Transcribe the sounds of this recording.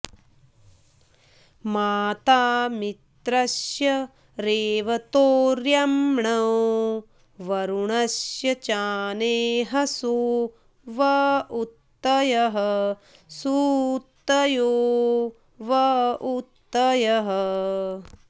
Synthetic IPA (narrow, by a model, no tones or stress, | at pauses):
maːt̪aːmit̪ɾɐsjɐ | ɾeːʋɐt̪oːɾjɐmɳɐw | ʋɐɾuɳɐsjɐt͡ʃaːneːɦɐsu | ʋɐut̪ːɐjɐɦɐ | sut̪ːɐjoː | ʋɐut̪ːɐjɐɦɐ